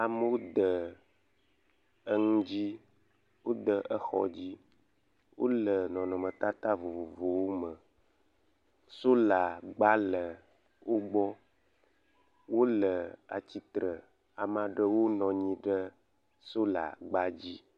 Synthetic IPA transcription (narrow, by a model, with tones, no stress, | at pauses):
a˨mə˦wo˦d̪ə˨ | ə˦ŋũ˦d͡ʑi˦ | wo˦d̪ə˨ʔə˦xɔ̰˦d͡ʑi˦ | wʔo̰˦lə˨nɔ̃˨nɔ̃˨mə̃˨t̪a˦t̪a˦vo˨vo˨vo˨wo˦mə˨ | so˦la˨ɡ͡ba˦lə˨ | wo˦ɡ͡bɔ˦ | wo˦lə˨a̰˨t͡ɕi˦t̪ɾə˨ | a˨mã˨ɖə˦wo˦nɔ̃˨ɲĩ˦ɖə˦ | so˦la̰˨ɡ͡ba˦d͡ʑi˦